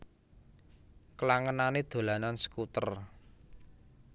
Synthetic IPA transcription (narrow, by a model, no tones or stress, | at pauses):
kəlaŋənaned̪̥o̤lanansə̥kut̪ər